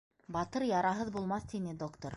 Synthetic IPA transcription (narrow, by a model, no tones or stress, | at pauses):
bɑt̪ɤɾjɑɾɑɦɤðbulˠmɑθt̪inɘd̪okt̪oɾ